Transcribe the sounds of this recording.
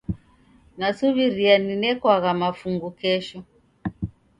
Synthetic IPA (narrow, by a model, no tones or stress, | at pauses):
nasuβiɾianinɛkwaɣamafuŋɡukɛʃɔ